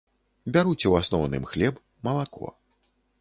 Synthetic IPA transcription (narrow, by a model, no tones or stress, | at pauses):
bʲaɾut͡sʲɛwasnɔwnɨ̰mxlʲɛb | mɐlˠakɔ̰